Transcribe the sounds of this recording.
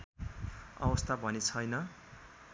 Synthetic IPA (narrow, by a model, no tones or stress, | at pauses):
ʌ̰wʌst̪ʰabʱʌnet͡sʰʌjnʌ